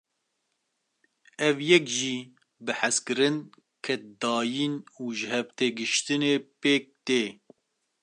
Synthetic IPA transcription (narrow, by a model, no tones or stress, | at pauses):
ɛvjɛkʒiː | bɨħaskɨɾɨn | kʰɛt̪̚d̪ɑːjiːnuːʒɨhɛvt̪eːɡɨʃt̪ɨneːpeːk̚t̪eː